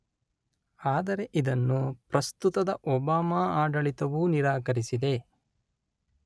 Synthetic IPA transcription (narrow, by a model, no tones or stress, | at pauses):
aːd̪ɐɾe̞ʔid̪ɐnːupɾɐst̪ut̪ɐd̪ɐʔɔbaːmaːaːɖɐɭit̪ɐʋuniɾaːkɐɾisid̪e̞